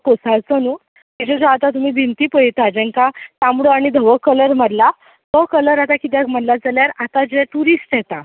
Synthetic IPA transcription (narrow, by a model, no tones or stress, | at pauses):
kosat͡sənu | id͡ʑed͡zaat̪at̪um̤iːbʱint̪ipəjt̪ad͡ʑɛ̃ŋkat̪amɽəaɽ̃id̪ʱəʋəkələɾməɽla | d̪ʱəkələɾat̪akit̪̬jam̤əɽlad͡zaljaɾat̪ad͡ʑeʈuɾisʈ̪jɛt̪a